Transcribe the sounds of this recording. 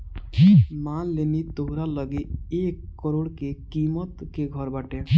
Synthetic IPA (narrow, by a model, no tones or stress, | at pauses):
manlenit̪oɦɾaləɡeekːɔɾoɽkekimət̪keɡʱəɾbaʈe